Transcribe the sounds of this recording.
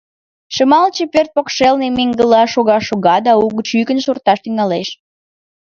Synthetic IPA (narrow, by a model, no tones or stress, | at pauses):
ʃəmɑlt͡ɕəpørt̪̚pokʃelnemeŋɡəlɑʃoɣɑʃoɣɑd̪ɑuɣət͡ɕykənʃurt̪ɑʃt̪yŋɑleʃ